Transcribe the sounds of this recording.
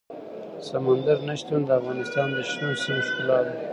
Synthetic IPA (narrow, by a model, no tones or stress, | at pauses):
samand̪aɾnaʃt̪und̪əafɣɑnɪst̪ɑnd̪əʃt̪usimʃkʊlɑd̪